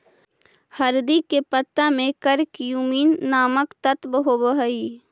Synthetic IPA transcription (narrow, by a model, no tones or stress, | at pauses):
həɾd̪iːkːepət̪ːamẽkəɾkjuːmiːnːaːməkt̪ət̪bəɦobəɦəiː